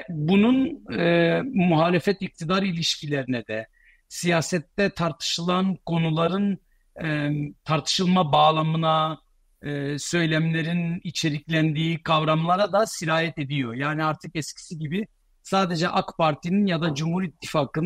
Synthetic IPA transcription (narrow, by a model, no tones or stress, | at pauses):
bununː | muɦaːlʲefɛt̪ic̚t̪ʰid̪aɾilʲiʃcʰilʲeɾinɛd̪ɛ | sijaːsɛt̪ːɛt̪ʰaɾt̪ʰɯ̥ʃɯlˠankʰo̞nulˠaɾɯnː | t̪ʰaɾt̪ʰɯ̥ʃɯlˠmabaːlˠamɯnaː | sø̞jlʲæmlʲe̞ɾinit͡ʃʰe̞ɾiclʲænd̪iːkʰavɾamlˠaɾad̪asiɾaːjɛt̪e̞d̪ijo̞jaːniaɾt̪ʰɯkɛscʰi̥siɟibi | saːd̪e̞d͡ʒɛʔakpʰaɾt̪ʰininjad̪ad͡ʒumhuɾit̪ʰːifaːkɯn